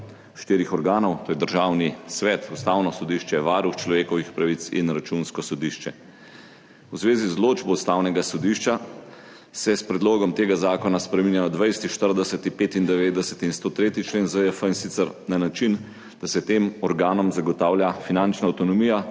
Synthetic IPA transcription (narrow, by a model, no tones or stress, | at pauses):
ʃt̪iːɾixɔɾɡaːnɔwt̪oːjɛd̪əɾʒaːwnisʋɛt̪ust̪aːwnɔsɔd̪iʃt͡ʃɛʋaːɾuxt͡ʃlɔʋeːkɔʋixpɾaʋit̪sḭnɾat͡ʃunskɔsɔd̪iʃt͡ʃɛ | wzʋeːzizloːd͡ʒbɔust̪awnɛɡasɔd̪iːʃt͡ʃa | sɛspɾɛd̪loːɡɔmt̪eːɡazaːkɔnaspɾɛmiːnjajɔd̪ʋɛjst̪iʃt̪əɾd̪ɛsət̪ipeːt̪ind̪ɛʋeːd̪ɛsɛt̪inst̪oːt̪ɾeːt̪it͡ʃleːnzəəfəinsit̪səɾnanat͡ʃin | d̪̥asɛt̪eːmɔɾɡaːnɔmzaɡɔt̪aːwljafinant͡ʃnaːwt̪ɔnɔmiːja